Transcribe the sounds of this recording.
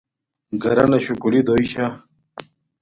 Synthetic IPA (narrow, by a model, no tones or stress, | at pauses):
ɡɐɾɐnɐɕukulid̪oiɕa